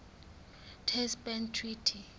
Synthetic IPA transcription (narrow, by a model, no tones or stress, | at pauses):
tʰɛspɛntʰːritʰi